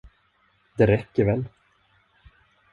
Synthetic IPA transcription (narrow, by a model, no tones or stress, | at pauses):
d̪ɛɾɛkːəɾvɛl